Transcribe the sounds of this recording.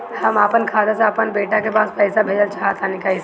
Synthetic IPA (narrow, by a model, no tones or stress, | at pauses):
ɦəmaːpənkʰaːd̪aseəpənbeːʈakepaːspɛɪsabʱeːd͡ʒəlt͡ʃaːɦət̪ʰanɪkais